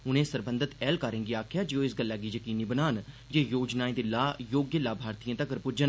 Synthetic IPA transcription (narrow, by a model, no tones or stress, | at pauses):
ʊnẽːsəɾbə̃nd̪ət̪ɛːlkaːɾẽːŋɡiaːkʰjaːd͡ʒeõːɪsɡəlːaːɡiːd͡ʒəkiːniːbənaːn | d͡ʒeːjoːd͡ʒnaːẽːd̪ilaːjoːɡjəlaːbʱaːɾt̪ijãːt̪əkəɾpʊd͡ʒən